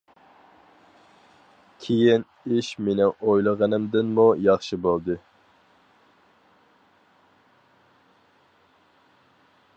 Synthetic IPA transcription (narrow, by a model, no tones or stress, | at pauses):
kʲʰejin | iʃmenɪŋojlˠəʁɑnɨmd̪ɪnmujɑχʃɨbolˠd̪ɨ